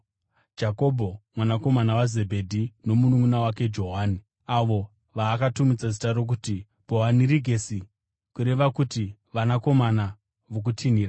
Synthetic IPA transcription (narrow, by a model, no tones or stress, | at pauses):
d͡ʒako̞bʱo̞mwanako̞manawaze̞bʱe̞dʱino̞munumunawake̞d͡ʒo̞ɦaːni | aʋo̞ | ʋaːkatumid͡zazitaro̞k̬uti | bʱo̞ɦaniɾiɡʱe̞si | kuɾe̞ʋakutiʋanako̞mana | ʋok̬utʰiniːra